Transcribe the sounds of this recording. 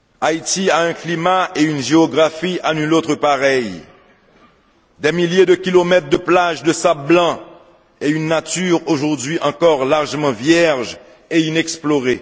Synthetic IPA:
ait̪iaɛ̃klimaeynʒeɔɡʁafiʔanylot̪χəpaʁɛj | d̪ɛmiljed̪əkʲilomɛt̪χd̪əplaʒd̪əsab̚blɑ̃ | eynːat̪yʁoʒuʁd̪ɥiʔɑ̃kɔʁlaʁʒəmɑ̃vjɛʁʒ | einɛksploʁe

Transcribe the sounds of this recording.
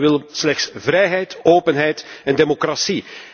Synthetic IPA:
ɪlˠslɛxtsvɾɛjɦɛjtoːpənɦɛjtɛndemokrasi

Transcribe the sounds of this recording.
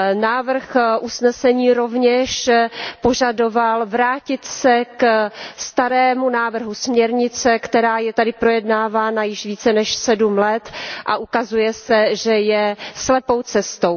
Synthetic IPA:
naːvr̩xʔusnɛsɛɲiːɾo̞vɲɛʃpo̞ʒado̞valvɾaːcɪt̪sɛkst̪aɾɛːmunaːvr̩ɦusmɲɛɾɲɪt͡sɛkt̪ɛɾaːjɛt̪adɪpɾo̞jɛdnaːvaːnajɪʃviːt͡sɛnɛʃsɛdumlɛt̪ʔa̰ʔukazujɛsɛʒɛjɛslɛpo̞wt͡sɛst̪ow

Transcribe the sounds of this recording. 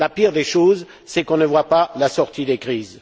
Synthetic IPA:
lapiʁd̪eʃoz | sɛkɔ̃nəvwapalasɔʁt̪id̪ekχiːz

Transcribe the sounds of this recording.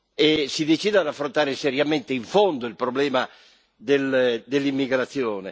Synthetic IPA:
esid̪et͡ʃiːd̪ead̪afːɾont̪aːɾesɛɾjament̪eiɱfond̪oilpɾoblɛːma | d̪eld̪elːimːiɡɾat̪sːjoːne

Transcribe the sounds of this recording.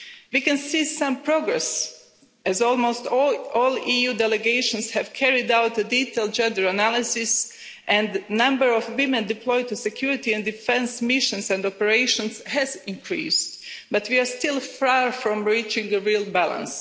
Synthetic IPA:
wikɛ̃nsiːsãmpɹoɡɹɛs | ɛzɔlˠmoʊstɔlˠijuːdɛlɛɡeɪʃɔ̃nshɛvkʰɛɹɪdawt̪ədit̪elˠt̚d͡ʒɛ̃ndəɹanælˠɪsɪs | ʔɛ̃nd̪nãmbəɹɔfwɪmɛ̃nd̪ɪplɔjt̪usɛkʰj̥uɹɪt̪iɛ̃ndifɛ̃nsmɪʃə̃nsɛ̃ndɔpəɹeɪʃɔ̃nshɛzɪ̃ŋkʰɹḭːstbat̪wiaɹst̪ɪlˠfaɹfɹɔ̃mɹit͡ʃɪ̃ŋɡəɹilˠbælˠã̰ns

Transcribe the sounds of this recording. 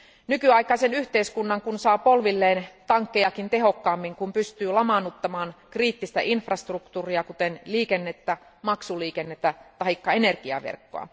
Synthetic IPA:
nykyɑikˑɑisenyht̪eiskunːɑŋkunsɑːpolʋilːeːnt̪ɑŋkːejɑkint̪e̞ɦo̞kːɑːmːiŋkumpyst̪yːlɑmɑnːut̪ːɑmɑːnkriːt̪ːist̪æ̰ʔinfrɑst̪rukt̪uːriɑkut̪enliːkenːet̪ːæ | mɑksuliːkenːet̪ːæt̪ɑikːɑenerɡ̥iɑ̰ʋḛrkːo̰ɑ̰

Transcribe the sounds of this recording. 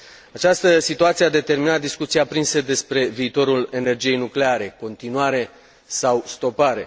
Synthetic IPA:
at͡ʃast̪əsit̪uat̪siead̪e̞t̪e̞rminat̪̚d̪iskut̪siapɾinse̞d̪e̞spɾe̞viːt̪o̞ɾule̞ne̞rd͡ʒije̞jnukle̞aɾe̞ko̞nt̪inuaɾe̞ | sawst̪o̞paɾe̞

